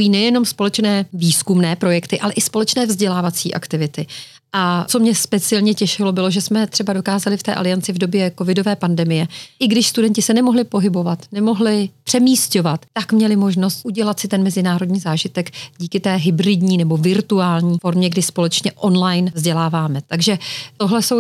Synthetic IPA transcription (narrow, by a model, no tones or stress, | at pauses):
jiːnɛjɛno̞mspo̞lɛt͡ʃnɛːviːskumnɛːpɾo̞jɛkt̪ɪʔalɛʔɪspo̞lɛt͡ʃnɛːvzɟɛlaːvat͡sḭːʔa̰kt̪ɪvɪt̪ɪ | ʔat͡so̞mɲɛspɛt͡sɪɛlɲɛcɛʃɪlo̞bɪlo̞ʒɛsmɛt̪r̝̥ɛbado̞kaːzalɪft̪ɛ̰ːʔa̰lɪant͡sɪvdo̞bjɛko̞vɪdo̞vɛːpandɛmɪjɛʔɪɡdɪʃst̪udɛncɪsɛnɛmo̞ɦlɪpo̞ɦɪbo̞vat̪nɛmo̞ɦlɪpr̥ɛmiːsco̞vat̪ːakmɲɛlɪmo̞ʒno̞st̪ʔuɟɛlat̪sɪt̪ɛnmɛzɪnaːɾo̞dɲiːzaːʒɪt̪ɛkɟiːkɪt̪ɛːɦɪbrɪdɲiːnɛbo̞vɪɾt̪uaːlɲiːfo̞ɾmɲɛɡdɪspo̞lɛt͡ʃɲɛʔo̞nlajnvzɟɛlaːvaːmɛt̪aɡʒɛt̪o̞ɦlɛso̞w